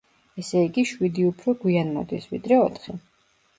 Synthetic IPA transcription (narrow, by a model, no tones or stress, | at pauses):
ɛsɛiɡiʃwid̪iupʰɾɔɡwianmɔ̰d̪isvḭd̪ɾɛɔt̪ʰχi